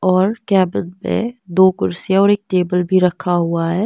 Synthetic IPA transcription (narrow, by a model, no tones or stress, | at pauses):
ɔːɾkɛːbəd̪pḛ̃d̪oːkʊɾsijaɔːɾeːk̚ʈeːbəlbʱiɾɐkʰːaɦuaɦɛː